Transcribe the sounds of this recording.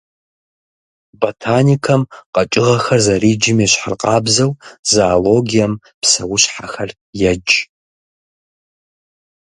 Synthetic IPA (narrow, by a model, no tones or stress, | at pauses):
botʰaːnikʰɐmqɐt͡ʃʼɪʁɐxɐrzɐriːd͡ʒɪmeːɕħa̰rqʼɑːbzɐwzaːloɡijɐm | psɐwʊɕħaxɐr | jɛd͡ʒ